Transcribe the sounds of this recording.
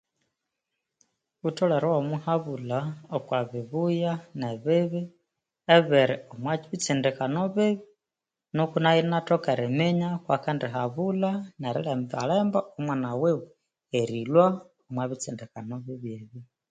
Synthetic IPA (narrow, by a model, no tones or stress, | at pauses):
utɔlɛɾɔwamuhaβulaokwaβiβujanɛβɪβi | ɛβɛɾiomwat͡ʃiβit͡sindikanɔβɪβi | nokunainatɔkɛɾɛmɛɲakwakandiɦaβulanaɾḭlɛma̰lɛmbaomwanawewe | eɾilwa | omwaβit͡sindikanɔβiβjeβi